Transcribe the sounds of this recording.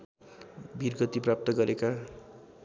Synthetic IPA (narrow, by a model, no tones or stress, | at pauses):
bʱirɡʌt̪iprap̚t̪ʌɡʌɾeka